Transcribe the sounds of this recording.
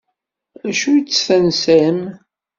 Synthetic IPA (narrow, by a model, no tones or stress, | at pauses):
æʃuit͡sːθænsæm